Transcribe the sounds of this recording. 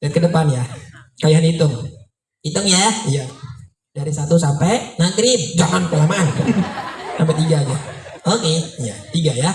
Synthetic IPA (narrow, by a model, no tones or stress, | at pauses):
diat̪̚kədəpanjakaliɦanit̪ʊŋ | it̪ʊŋjaaija | d̥aɾisat̪usampɛjnaɡɾid͡ʒamanpəlaman | sampat̪iɡad͡ʒaokeijat̪iɡaja